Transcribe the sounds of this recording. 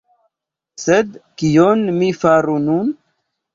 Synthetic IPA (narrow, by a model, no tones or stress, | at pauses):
sed̪kionmifaɾunun